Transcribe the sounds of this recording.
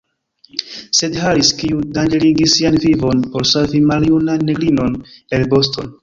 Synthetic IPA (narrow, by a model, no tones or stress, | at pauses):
se̞dhaɾiskiudand͡ʒe̞liɡisːianvivo̞npo̞ɾsoɾvimaljunanːe̞ɡlino̞ne̞lbo̞sto̞̰n